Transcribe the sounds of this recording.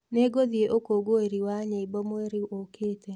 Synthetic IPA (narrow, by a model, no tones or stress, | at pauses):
neɡoðieʔokoɡoeɾiwaɲeibɔmoeɾiʔokete